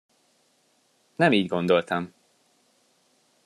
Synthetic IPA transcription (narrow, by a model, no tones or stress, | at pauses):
nɛmiːɟɡo̞nd̪o̞lt̪ɒm